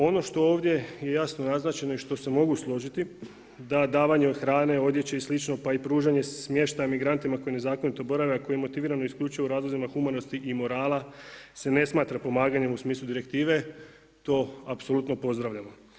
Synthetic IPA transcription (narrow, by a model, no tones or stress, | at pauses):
o̞no̞ʃt̪o̞oːʋd̪je̞je̞jasno̞naznat͡ʃe̞nojeʃt̪o̞se̞mo̞ɡuslˠo̞ʒit̪i | d̪ad̪aːʋaɲeod̪xɾaːne̞o̞d̪je̞t͡ɕe̞islit͡ʃno̞paipɾuːʒaɲe̞smje̞ʃt̪ajmiɡɾant̪imako̞jine̞zaːko̞nit̪o̞bo̞ɾaʋeako̞jimo̞t̪iʋiːɾanoiskʎuːt͡ʃujuɾaːzlˠozimaxumano̞st̪iʔimo̞ɾaːlˠase̞ne̞smaːt̪ɾapo̞maːɡaɲe̞musmiːslˠud̪iɾe̞kt̪iːʋe̞ | t̪o̞ːapso̞lˠut̪no̞po̞zd̪ɾaʋʎamo